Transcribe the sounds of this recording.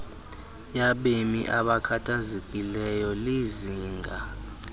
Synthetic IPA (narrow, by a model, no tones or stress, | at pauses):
jaɓemḭʔaɓakʰatʰazekʼilɛjɔliziːŋɡʱa